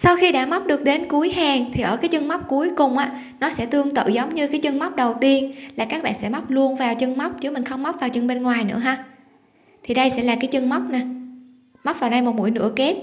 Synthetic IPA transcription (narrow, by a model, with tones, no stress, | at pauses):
sa˧wxi˧ɗa̰ː˧˥ma˦˥wk͡p̚ɗɨ˨˩ək̚ɗe˨˦nku˨˦əjɦa˨˩ŋt̪ʰi˨˩ʔəː˧˩kaː˨˦jt͡ɕə˧ŋma˦˥k͡p̚ku˨˦əjkʊ˨˩ŋ͡mʔaː˧˥ | nɔ˨˦sɛ̰˧˥t̪ɨ˧əŋt̪ɨ̰˧˨zə˨˦wŋ͡mɲɨ˧kaː˨˦jt͡ɕə˧ŋma˦˥wk͡p̚ɗə˨˩wt̪i˧ənlaː˨˩kaː˦˥k̚ɓa̰ː˧˨nsɛ̰˧˥ma˦˥wk͡p̚lu˧ənvaː˨˩wt͡ɕə˧ŋma˦˥wk͡p̚t͡ɕɨ˨˦mï˨˩ŋ̟xə˧wŋ͡mma˦˥wk͡p̚vaː˨˩wt͡ɕə˧ŋɓe˧nŋwaː˨˩jnɨ̰˧˥əɦaː˧ | t̪ʰi˨˩ɗə˧jsɛ̰˧˥laː˨˩kaː˨˦jt͡ɕə˧ŋma˦˥wk͡p̚na˨˩ | ma˦˥k͡p̚vaː˨˩wɗə˧jmo˨˩t̚mṵ˧˩əjnɨ̰˧˥əke˦˥t̚